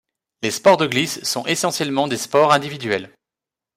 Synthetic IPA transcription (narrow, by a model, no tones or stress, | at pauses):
lespɔʁd̪əɡlisːɔ̃ʔesɑ̃sjɛlmɑ̃d̪espɔʁɛ̃d̪ivid̪ɥɛl